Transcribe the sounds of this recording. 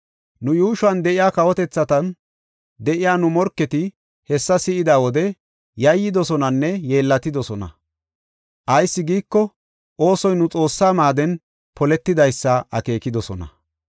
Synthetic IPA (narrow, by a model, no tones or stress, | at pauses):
nʊjuːʃʊɐnd̪ɛʔɪjaːkɐwɔt̪ɛt͡sːɐt̪ɐn | d̪ɛʔɪjaːnʊmɔɾkːɛt̪ɪ | hɛsːɐsɪʔɪd̪aːwɔd̪ɛ | jɐjːɪd̪ɔsɔnɐnːɛje̞ːlːɐt̪ɪd̪ɔsɔnɐ̰ | ʔɐjsːɪɡiːkːɔ | ʔo̞ːsɔjnʊt͡sʼo̞ːsːaːmaːd̪ɛn | pɔlɛt̪ːɪd̪ɐjsːɐʔɐ̰ke̞ːkɪd̪ɔsɔnɐ̰